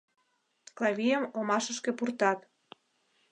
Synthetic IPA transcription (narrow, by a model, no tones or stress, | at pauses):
klɑβʲijəmomɑʃə̆ʃkepurt̪ɑt̪